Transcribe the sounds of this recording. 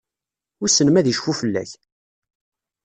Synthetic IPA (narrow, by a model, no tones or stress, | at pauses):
ʊɾsənəmæðiʃfufəlːæ̰ç